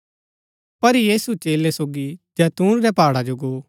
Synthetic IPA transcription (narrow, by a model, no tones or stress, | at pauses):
pɐɾjiːsut͡ʃeːlesoːɡid͡ʒɛːt̪ũːɾɾɛpaːɽad͡ʒoɡoː